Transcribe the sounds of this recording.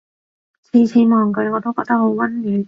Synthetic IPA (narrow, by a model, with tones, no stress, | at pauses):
t͡sʰiː˨˧t͡sʰiː˨˧˥mɔː˨˩ŋkɵ˨˧˥ŋɔː˨˧t̪o˥kɔː˧k̚t̪ɐ˥k̚ho˨˥wwɐ˥nlyː˨˥n